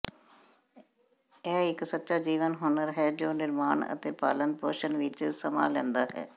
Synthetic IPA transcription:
ɛːɪksətːʃaːd͡ʒiːʋənɦʊːnəɾɦɛːd͡ʒoːnɪɾmaːɳə̰t̪eːpa̰ːlənpoːʃənʋɪt͡ʃsəma̰ːlɛ̃ːnd̪aːɦɛ̰ː

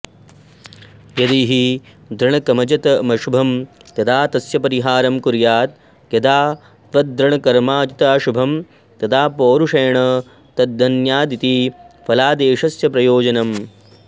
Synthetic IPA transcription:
jɐd̪iːɦi | d̪ʱɾɐɳɐkɐmɐd͡ʒɐt̪ɐmɐʃubʱɐmt̪ɐt̪ʰaːt̪ɐsjɐpɐɾiɦaːɾɐmkuɾjaːt̪ | jɐd̪aː | t̪ʋɐt̪̚d̪ʱɾɐɳɐkɐɾmaːd͡ʒit̪aːʃubʱɐm | t̪ɐt̪ʰaːpoːɾuʂɐjɐɳɐ | t̪ɐd̪̚d̪ɐnjaːd̪it̪ipʰɐlaːd̪eːʂɐsjɐpɾɐjoːd͡ʒɐnɐm

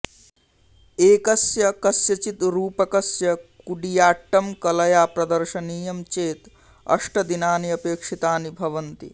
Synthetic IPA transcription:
eːkɐsjɐkɐsjɐt͡ʃit̪ɾuːpɐkɐsjɐkuɖijaːʈːɐmkɐlɐjaːpɾɐd̪ɐɾʃɐniːjɐmt͡ʃeːt̪ | ɐ̰ʂʈɐd̪inaːniɐpeːkʂit̪aːnibʱɐʋɐnt̪ḭ

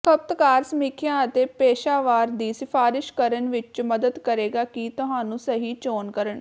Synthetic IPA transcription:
kʰəp̚t̪kaːɾsəmiːkʰɪjãːət̪eːpeːʃaːʋaːɾd̪iːsɪfʰaːɾɪʃkəɾənʋɪt͡ʃməd̪əd̪kəɾeːɡaːkit̪ʊɦãːnũːsəɦiːt͡ʃoːnkəɾəɳ

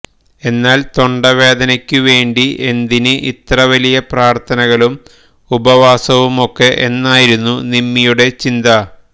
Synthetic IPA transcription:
e̞nːaːlt̪o̞ɳɖɐʋe̞ːd̪ɐnɐkʲːuʋe̞ːɳɖie̞nd̪inɨʔit̪rɐʋɐlijɐpraːrt̪ʰɐnɐɣɐɭum | ubɐʋaːsɐʋumo̞kːe̞ʔenːaːjiɾunːunimːijuɽe̞t͡ɕind̪ɐ

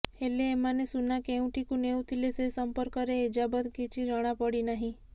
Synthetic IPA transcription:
heleːmanesunakeũʈʰikũneũt̪ʰilesesəmpəɾkəɾeid͡ʒabət̪ket͡ʃʰiɾəɽ̃apəɽinaɦĩ

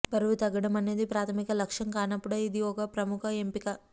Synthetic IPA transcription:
bɐɾuʋut̪ɐɡːɐɽɐmɐne̞ːd̪ipɾaːt̪ʰɐmikɐlɐkʂɐŋkaːnɐpːuɽɐid̪iɔkɐpɾɐmukʰɐempikɐ

